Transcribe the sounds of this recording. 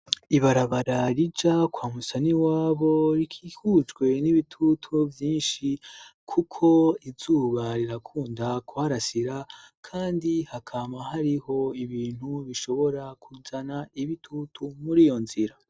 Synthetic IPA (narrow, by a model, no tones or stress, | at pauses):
iβaɾaβaɾaɾid͡ʒakwaːmusaniwaːβo̞ɾikʰiːhud͡ʒɡwe̞niβitʰutʰuvjiːnʃikʰukʰo̞iz̥uːβaɾiɾakʰuːndakuaɾasiɾakʰaːndihakʰaːmaɦaɾiho̞iβiːn̥huβiʃo̞βo̞ɾakuzanaiβitʰutʰumuɾijo̞nziɾa